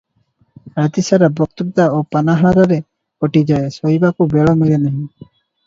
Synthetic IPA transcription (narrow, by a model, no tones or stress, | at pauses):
ɾat̪isaɾabɔk̚t̪ubt̪aopanaɦaɾaɾe | kɔʈid͡ʒaesoɦibakubeɭɔmilenaɦĩ